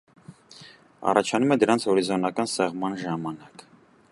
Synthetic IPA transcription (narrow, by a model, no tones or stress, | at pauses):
ɑ̰rɑt͡ʃʰɑnumɛd̪əɾɑnt͡sʰhɔɾizɔnɑkɑnsɛʁmɑnʒɑmɑnɑk